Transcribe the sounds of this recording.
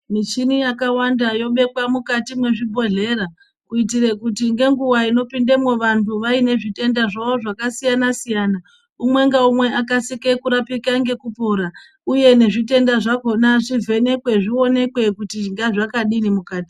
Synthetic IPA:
mit͡ʃinijakawandajo̞ɓe̞kwamukatimwe̞ʐibʱo̞ɮe̞ːɾa | kuit̬ire̞kutiŋɡe̞ŋɡuwaino̞pinde̞mwo̞ʋantʰuʋaine̞ʐite̞ndaʐao̞ʐakasijanasijaːna | umwe̞ŋɡaumwe̞ʔakasike̞kuɾapikaŋɡe̞kupo̞ɾa | uje̞ne̞ʐite̞ndaʐako̞naʐivʱe̞ne̞kwe̞ʐio̞ne̞kwe̞kutiŋɡaʐakaɗinimukaːti̥

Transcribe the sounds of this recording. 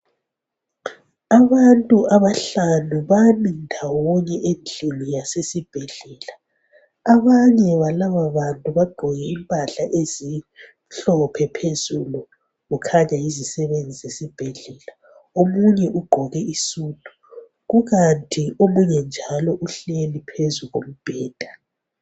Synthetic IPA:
aβantʼuʔaβaɬanuβanindʱawɔɲɛʔend͡ɮʱimijasesib̥ʱɛɮɛːla | aβaɲɛβalaβaβantʼuβaɡ͡ǃʱɔɣɛimpʼaɬaʔezi | ɬɔpʰɛpʰezulu | ɣukʰaɲaizisɛβend͡zʱizesib̥ʱɛɮɛla | omuɲɛʔuɡ͡ǃʱɔɣɛisuːntʼu | ɣuɣantʰʼiʔomuɲɛnd͡ʒʱalɔʔuɬelipʰezuɣom̩b̥ʱɛːd̥ʱa

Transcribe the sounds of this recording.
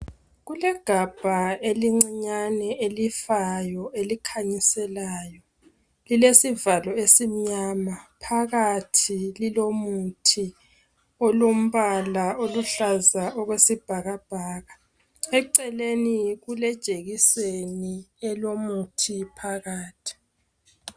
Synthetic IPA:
ɣulɛɡ̥ʱab̥ʱaeliŋ͡ǀiɲanɛʔelifajɔelikʰaɲisɛlaːjɔ | lilesivalɔesim̩ɲamapʰaɣatʰililomutʰi | ɔlom̩βalaoluɬazaʔɔɣwesib̥ʱaɣab̥ʱaːɣa | ɛǀɛleniɣulɛd̥ʒ̥ʼʱeɣiseniɛlomutʰipʰaɣaːtʰi̥

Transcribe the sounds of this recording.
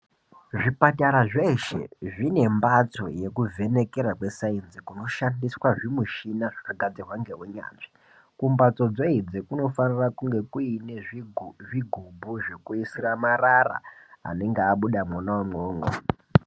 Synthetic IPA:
ʐipataɾaʐe̞ʃe̞̰ʐine̞mbat͡so̞̰je̞kuvʱe̞ne̞ke̞ɾakwe̞sainzikuno̞ʃandiswaʐimuʃinaʐakaɡʱad͡zirwaŋɡe̞ɦuɲa̰ːʐi̥ | kumbat͡so̞d͡zo̞id͡zekuno̞fanirakuŋɡe̞kuineʐʐiɡʱubʱuʐe̞kuisiramarara̰a̰ne̞ŋɡeaɓuɗamwanawamwoːŋɡo̰

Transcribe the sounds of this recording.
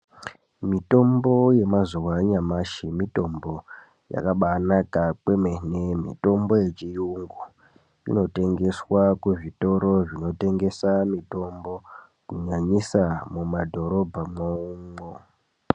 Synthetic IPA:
mito̞mbo̞je̞mazuwaɲamaʃimito̞mbo̞ | ja̰kaɓanakakwe̞menemḭto̞mbo̞je̞t͡ʃijuŋɡu | ḭno̞te̞ŋɡe̞swakweʐito̞ɾo̞ʐino̞te̞ŋɡe̞samito̞mbo̞ | kuɲaɲisamumadʱo̞ɾo̞bʱamoumo

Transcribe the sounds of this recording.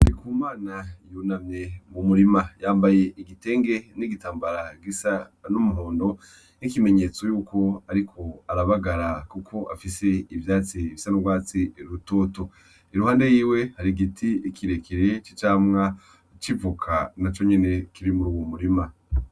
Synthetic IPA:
ɾikuːmaːnajunamɲemumuɾimajaːmbaje̞ʔiɡite̞ːŋɡe̞niɡitaːmbaɾaɡisanumuɦoːndo̞ | nikime̞ɲeːt͡so̞juːko̞aɾikʰo̞aɾaβaɡaɾakukʰo̞ʔafise̞ivjaːt͡siβisanuɡwaːt͡siɾuto̞ːto̞ | iɾuhaːnde̞jiːwe̞haɾiɡitʰiikʰiɾe̞kʰiɾe̞t͡ʃi̥t͡ʃaːmŋa | t͡ʃivukʰanat͡ʃo̞ɲe̞ne̞kiɾimuɾuwomuɾima

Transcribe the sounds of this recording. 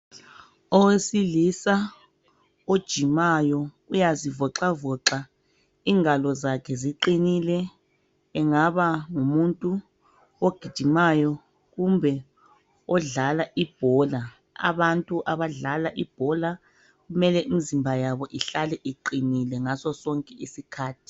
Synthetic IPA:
ɔwesilisa | od̥ʒ̥ʱimajɔ | ujazivɔǁavɔǁa | iːŋalɔzakʰɛziǃinilɛː | ŋaβaŋumuntʼu | oɡ̥ʱid̥ʒ̥ʱimajɔ | ɣumbʱɛ | ɔɮalaʔib̥ʱɔla | a̰βantʼuʔaβaɮalaʔib̥ʱɔla | ɣumɛlɛʔimizimbʱajaβɔʔiɬalɛʔiǃinilɛŋasɔsɔŋkʼɛisikʰaːtʰi̥

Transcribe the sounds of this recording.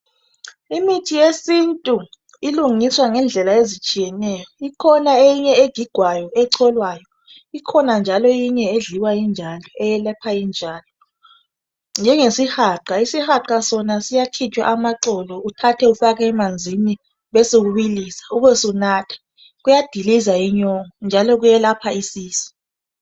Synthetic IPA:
imitʰijesintʼu | iluŋiswaŋɛnd͡ɮʱɛlaezit͡ʃʼijɛnɛːjɔikʰɔnaejiɲɛeɡ̥ʱiɡ̥ʱwajɔɛǀʰɔlwajɔ | ikʰɔnand͡ʒʱalɔjiɲɛeɮiwajind͡ʒʱalɔɛjɛlɛpʰajind͡ʒʱaːlɔ | nd͡ʒʱɛŋesixaːǃaisixaǃasɔnasijatʰit͡ʃʼwa̰ʔamaǁɔlɔutʰatʰɛufaɣaɛmand͡zʱini | βɛsoɣuβilisḁuβɛsunaːtʰḁ | ɣujad̥ʱilizajiɲɔŋɔnd͡ʒʱalɔɣujɛlapʰaisiːsi̥

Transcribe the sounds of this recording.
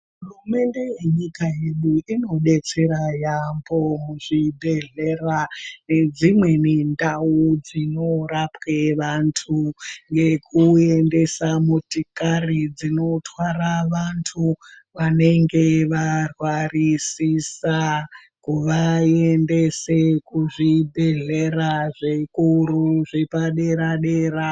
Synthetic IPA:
ɦɦurume̞nde̞jeɲikae̞ɗuino̞ɗe̞t͡se̞ɾajambo̞muʐibʱeɮerane̞d͡zimwe̞nendaud͡zino̞rapweʋantʰuŋɡe̞kʰue̞nde̞samutikarid͡zino̞twaraʋantʰu | ʋane̞ŋɡeʋarwarisisa | kuʋaendesekuʐibʱe̞ɮeraʐekuɾuʐepaɗe̞ɾaɗeːɾa

